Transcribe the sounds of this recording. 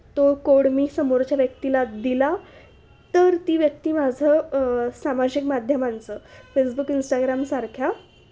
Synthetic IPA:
t̪okoɽmiːsəmoɾt͡ɕjaʋjək̚t̪ilad̪ila | t̪əɾt̪iːʋjəkt̪iːmad͡zʱəsamad͡ʑikmad̪ʱjəmãnt͡səfesbukinsʈaɡɾamsaɾkʰja

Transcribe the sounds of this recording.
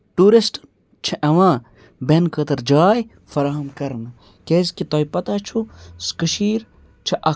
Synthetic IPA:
ʈuːɾisʈn | t͡ʃʰɐʔɐʋãː | benkət̪ɐɾd͡ʒaːj | fɐɾaːɦɐmkɐɾnɨ | keskit̪ɐːjpɐt̪at͡ʃʰuskəʃiːɾ | t͡ʃʰɐʔɐ

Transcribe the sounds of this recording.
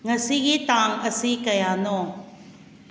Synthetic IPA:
ŋɐsiɡit̪aŋɐsikɐjanɔ

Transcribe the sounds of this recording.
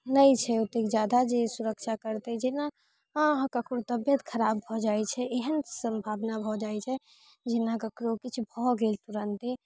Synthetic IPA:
nəjt͡ʃʰɛot̪ekd͡ʒad̪ad͡ʒesuɾəkt͡ʃʰakəɾt̪ɛd͡ʒena | ɦkəkʰoɾt̪əbjət̪kʰəɾabːʱɔd͡ʒaɛt͡ʃʰɛʔeɦənsəmbʱabnabʱɔd͡ʒaɛt͡ʃʰɛ | d͡ʒenakəkɾokit͡ʃʰubʱɔɡelt̪uɾənt̪i

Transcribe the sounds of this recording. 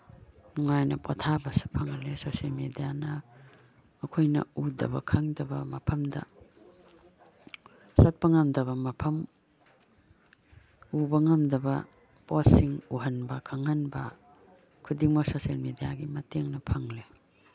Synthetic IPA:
nuŋajnɐpotʰabɐsi̥pʰɐŋlesoselmedijanɐː | kʰojnɐ̰udɐ̰bɐ̰kʰɐŋdɐbɐmɐpʰɐmdɐ̰ | sɐt̚pɐŋɐmdɐβɐmɐpʰɐm | ubɐŋɐmdɐbɐ | posiŋuɦɐnbɐkʰɐŋhɐnbɐ | kʰudiŋmɐsoselmedijaɡimɐteŋnɐpʰɐŋle

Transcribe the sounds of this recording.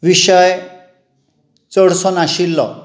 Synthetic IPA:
ʋiɕəj | t͡səɽsɔnaɕilːɔ̰

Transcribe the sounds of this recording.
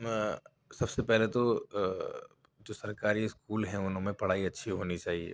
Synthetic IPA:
sɐbsepɛɦlet̪o | d͡ʒoːsɐɾkaːɾiɪskuːlɦɛ̃ʊnɦõmẽpɐɽ̤aːiɐtːʃʰiɦoːnit͡ʃaːɦiḛ

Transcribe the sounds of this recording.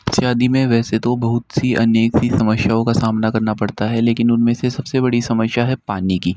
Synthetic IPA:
sjaːd̪imẽʋɛːset̪obɐɦʊt̪siɐ̰neːksisɐməʃjaõkasaːmnakɐɾnapɐɽt̪aɦɛleːkɪnʊnmẽsesɐbsebɐɽisɐməʃjaɦɛpaːnikiː

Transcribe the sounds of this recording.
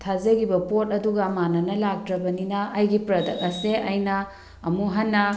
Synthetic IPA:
tʰazɐɡibɐpot̚ɐduɡɐːmanɐnɐlak̚tɾɐbɐninɐːjɡipɾɐdɐkɐseʔɐjnɐ | ɐmuɦɐnːɐ

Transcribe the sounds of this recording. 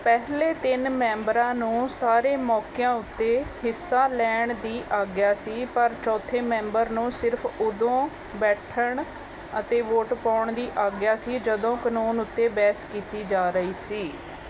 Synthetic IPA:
pɛɦleːt̪ɪnmɛ̃ːmbɾãːnũːsaːɾeːmɔːkɪjãːʊt̪ːeːhɪsːãːlɛːɳd̪iːʔaːɡɪjaːsiːpəɾt͡ʃɔːt̪ʰːeːmɛ̃ːmbəɾnũːsɪɾpʰʊd̪õː | bɛːʈʰəɳ | ət̪eːʋoːʈpaːɳd̪iːʔaːɡjaːsiːd͡ʒəd̪õːkənuːnʊt̪ːeːbɛːskiːt̪iːd͡ʒaːɾəiːsiː

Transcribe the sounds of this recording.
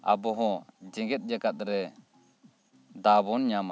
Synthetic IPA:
a̰bɔɦɔ̃d͡ʒɛɡɛt̪̚ˀd͡ʒakat̪̚ɾɛ | d̪abɔnɲama

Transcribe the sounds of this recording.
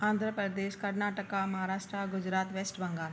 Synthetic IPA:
ãːnd̪ʱɾəpɾəd̪eːʃkɐɾnaːʈəkamɐɦaːɾaːʃʈɾaɡʊd͡ʒɾaːt̪ʋeːsʈbɐ̃ŋɡaːl

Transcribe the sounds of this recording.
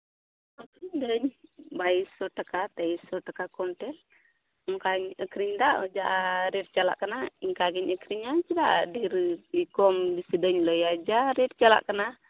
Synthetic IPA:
əkɾiɲdəɲbaisɔʈəkat̪aisɔʈəkakɔnʈɛl | mkaɲəkɾiɲdaʔɔd͡ʒaʔɾɛt̚t͡ʃala̰ʔkənaiŋkaɡiɲəkɾiɲat͡ʃida̰ʔdiɾiikɔmdisidəɲlɔjad͡ʒaɾɛt̚t͡ʃala̰ʔkəna

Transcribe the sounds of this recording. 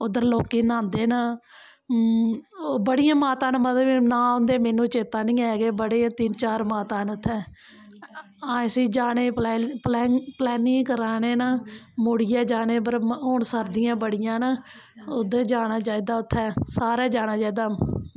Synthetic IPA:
ʊd̪əɾloːkiːnãːnd̪eːna | bəɽɪjãːmaːt̪ãːnmət̪binãːõnd̪eːmeːnũːt͡ʃeːt̪aːnĩːɛːɡeːbəɽẽːt̪ɪnt͡ʃaːɾmaːt̪aːnʊt̪ʰːɛː | ãːsiːd͡ʒaːneːpɛːplɛːŋplɛːnĩːkəɾaːneːnaːmoːɽɪjãːd͡ʒaːneːpəɾɦoːɳsəɾd̪ɪjãːbəɽɪjãːna | ʊd̪eːd͡ʒaːnaːt͡ʃaːiːd̪aːʊt̪ʰːɛːsaːɾaːd͡ʒaːñaːt͡ʃaːiːd̪aː

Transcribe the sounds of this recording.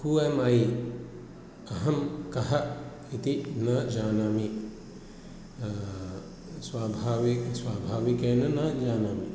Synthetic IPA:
kuemaːi | ɐɦɐmkɐɦɐ | it̪inɐd͡ʒaːnaːmi | swaːbʱaːʋiswaːbʱaːʋikeːnɐnɐd͡ʒaːnaːmi

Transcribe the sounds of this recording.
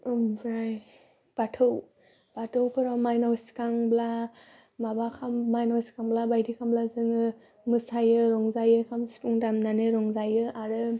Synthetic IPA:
ɯmbɾaj | b̥atʰɯw | b̥atʰɯwkʰɯɾawmajnɔwskaŋbla | mabakʰamːajnɔwskaŋblabajdikʰamblazɯŋɯ | mɯsajɯɾɔŋzajɯkʰamsi̥pʰuŋdamnanɯɾɔŋzajɯʔaɾɯ

